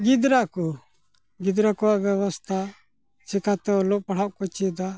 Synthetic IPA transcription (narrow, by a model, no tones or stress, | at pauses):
ɡid̪ɾaʔkɔ | ɡid̪ɾakɔwaʔbjaβɔst̪ʰa | t͡ʃɛkat̪ɛɔlɔʔpaɽ̤aʔkɔt͡ʃid̪a